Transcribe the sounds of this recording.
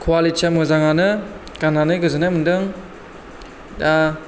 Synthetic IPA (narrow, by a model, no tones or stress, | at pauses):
kʰwalitʰamɯzaŋanɯ | ɡ̥ananɯɡɯzɯnamɯndɯŋ | da